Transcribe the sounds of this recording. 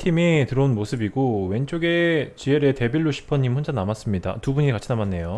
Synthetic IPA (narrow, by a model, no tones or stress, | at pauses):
tʰimitɯɾʌunmosʰɯbiɡowe̞nt͡ɕ͈oɡe̞t͡ɕieɾe̞te̞biɭːoɕʰi̥pʰʌɲːimhond͡ʑanamas͈ɯmɲida̰tubuɲikat͡ɕʰinamanːe̞jo